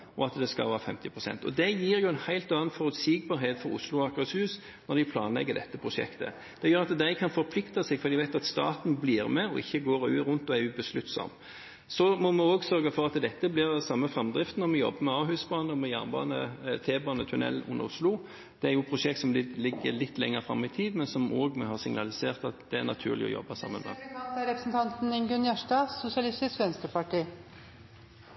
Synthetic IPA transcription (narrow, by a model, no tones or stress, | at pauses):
ɔɑt̪d̪ɛskɑ̰ʋɑːɾɑfɛ̰mt̪ɪpʰɾʊsɛ̰nt̪ɔ̰d̪ɛjiːɾjʊɛnhæɪlt̪ɑːɑnfɔɾʉt̪siːɡ̚bɑːɾɦeːt̪fɔɾʊ̰slʊɑkɑshʉːs | nɔɾd̪ɪpʰlɑːnlɛ̰ɡːəd̪ɛt̪ːəpʰɾʊʂɛ̰kt̪ə̰ | d̪̥ɛjøːɾɑt̪d̪æɪkʰɑnfɔɾpʰlɪkt̪ɑsɛɡfɔɾd̪ɪʋæɪt̪ɑt̪st̪ɑ̰ːt̪n̩bliːɾmɛɔ̰ɪçːəɡoːɾʉːɾʉnt̪ɔæʉbəslʉt̪sɔ̰m | sɔmɔmɛoːɡsœɾɡəfɔɾɑt̪d̪ɛt̪ːəblɪʁsɑmːəfʁɑmd̪ʁɪft̪nɔɾmɛjɔ̰bːəmɛɑːhʉːsbɑːnəɔmɛjæːʁnbɑ̰ːnət̪ʰeːbɑːnət̪ʰʉnɛ̰lːʔʊ̰nːəʁʊsluː | d̪̥ɛæɾjʊpʰʁʊʃɛkt̪sɔmd̪ɪlɪɡːəlɪt̪ːlɛŋːəɾfɾɑmːɪt̪ʰiːd̪mɛnsɔmʔoːɡmɛhɑsɪŋnɑlɪseːʁt̪ɑt̪d̪̥ɛæʁnɑt̪ʰʉ̰ːʁlɪ̰ɔ̰jɔ̰bːəsɑ̰mːə̰nmɛ̰ɑt̪æɾɛpɾəsn̩t̪ʰɑnt̪n̩ɪŋɡʉnjæʂʈɑːsʊsɪɑlɪst̪ɪskʋɛnst̪ɾəpɑʈiː